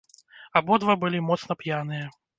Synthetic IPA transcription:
abɔd̪vɐbɨlʲimɔt̪snɐpjanɨjɐ

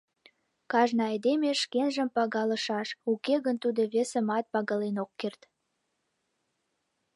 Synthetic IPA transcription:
kɑʒnəɑjd̪emeʃkenʒəmpɑɣɑləʃɑʃukeɣənt̪ud̪oβesəmɑt̪̚pɑɣɑlenokːert̪

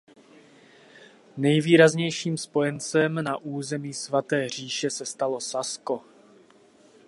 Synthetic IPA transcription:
nɛjviːɾazɲɛjʃiːmspo̞jɛnt͡sɛmnaʔuːzɛmiːsvat̪ɛːr̝iːʃɛsɛst̪alosasko̞

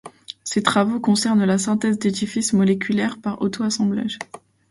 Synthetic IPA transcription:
set̪χavokɔ̃sɛʁnlasɛ̃t̪ɛzd̪ed̪ifismɔlekʲʰylɛʁpaʁo̰t̪oasɑ̃bla̰ʒ

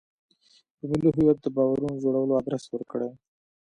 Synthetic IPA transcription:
d̪̥əmɪliɦɪjat̪̚d̪əbɑwaɾunod͡ʒoɽawəload̪ɾaswəɾkəɽe

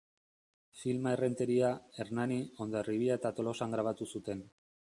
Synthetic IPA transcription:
filmae̞re̞nt̪e̞ɾiae̞ɾnanio̞nd̪oriβiaet̪at̪o̞lo̞saŋɡɾaβ̞at̪usut̪e̞n

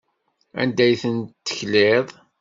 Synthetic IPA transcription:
æ̰nd̪æjθənt̪ːə̥çlɪðˤ

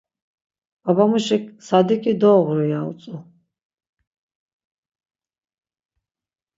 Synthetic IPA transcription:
babamuʃɛkʰsad̪ikʼid̪ɔːʁɾijalt͡s̪ʼu

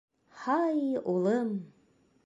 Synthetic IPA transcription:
hɑjulˠɤm

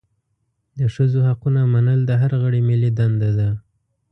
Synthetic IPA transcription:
d̪əʂəzohaqunamanəld̪əɦaɾaɣəɽimɪlid̪and̪ad̪a

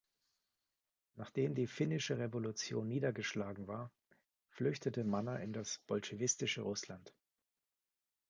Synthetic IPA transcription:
naːχd̥eːmdiːfɪnɪʃəʁevolʊt͡sjoːnːiːdɐɡəʃlaːɡŋ̩vaːɐ | flʏçtətəmanaʔɪndasb̥ɔlʃevɪstɪʃəʁʊslant

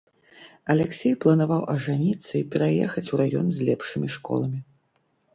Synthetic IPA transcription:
ɐlʲɛksʲejplˠɐnavawʔɐʐanʲit̪sːɐipʲɛɾajɛxɐt͡sʲuɾajɔ̰nzʲlʲɛpʂɨmʲiʂkɔ̰lˠɐmʲi

